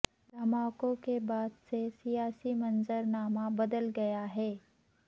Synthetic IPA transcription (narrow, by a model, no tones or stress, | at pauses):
lɐmaːkõkebaːd̪sesijaːsimɐnzəɾnaːmabɐd̪əlɡɐjaɦɛː